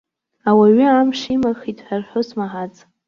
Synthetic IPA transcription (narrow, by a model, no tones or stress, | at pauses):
awaɥʏamʂimaχitʼħʷᶣarħʷʊsmaħat͡sʼ